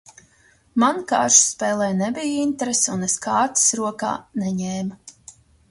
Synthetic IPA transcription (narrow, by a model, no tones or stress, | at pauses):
mankaːɾʃspɛːlˠɛjnɛbijint̪ɾesuneskaːt̪sɾuɔka̰ːnɛɲeːma